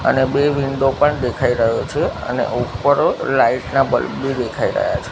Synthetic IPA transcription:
ə̰nebeʋind̪opəɳd̪ekʰaiɾəɦot͡ʃʰeə̰nḛʔupəɾlaiʈnabə̰lbʱid̪ekʰaiɾə̰ɦja̰t͡ʃʰe̥

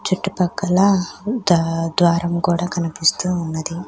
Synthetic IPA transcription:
t͡ʃuʈːipɐkːɐlɐd̪d̪ʋaːɾɐmkuːɽaːkɐnipist̪uːnːɐd̪i

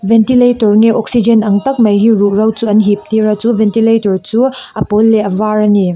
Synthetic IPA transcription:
ventiletɔɾŋeʔɔk̚sid͡ʒenɐŋtɐk̚mɐjɦiɾuɾɐwt͡suɐnɦip̚tiɾɐt͡suvʱentiletɔɾt͡suɐpolːeɐvaɾɐni

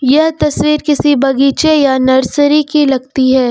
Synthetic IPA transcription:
jɐɦt̪ɐsʋiːɾkɪsibɐɡiːt͡ʃejanɐɾsɾikilɐɡt̪iɦɛː

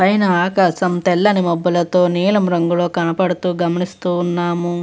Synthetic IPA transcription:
pɐjnɐaːkaːsɐmt̪ɛlːɐnimɐbːɐlɐt̪o̞ːniːlɐmɾɐŋɡulo̞ːkɐnɐpɐɽut̪uːɡɐmɐnist̪uːnːaːmu

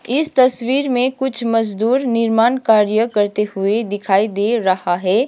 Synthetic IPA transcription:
ɪst̪ɐswiːɾmẽkʊt͡ʃʰməd͡ʒd̪uːɾnɪɾmaːnkaːɾjəkəɾt̪eɦʊed̪ɪkʰaːid̪eɾɐhaɦɛː

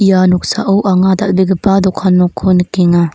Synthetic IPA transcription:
ijanɔksa̰ʔɯwʔaŋad̪aʔbiɡəpad̪ɔkʰanːɔkʰonkiŋa

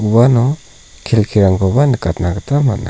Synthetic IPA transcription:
uwanɔ | kʰelkʰiɾaŋɡɔbanɯkat̚naɡɯtʰama̰t̚na̰

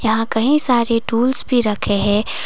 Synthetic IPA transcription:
jɐɦãkɐɦĩsaːɾeʈuːlsbʱiɾɐkʰeɦɛ̃ː

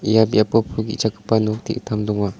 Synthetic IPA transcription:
ijabiapɔpʰuɡit͡ʃakɯ̥pːanuk̚tʰḭʔt̪ʰamdɔŋwa

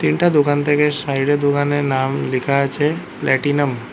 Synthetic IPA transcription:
t̪inʈad̪okant̪ʰekeʃaiɽed̪okaneɾnamlikʰaət͡ɕʰe | plʔɛʈinəm

